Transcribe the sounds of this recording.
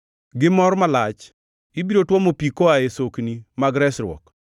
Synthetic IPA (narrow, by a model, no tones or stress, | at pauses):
ɡɪmɔɾmalat͡ʃ | ibiɾotwɔmopikoaesoknimaɡɾɛsɾwɔ̰k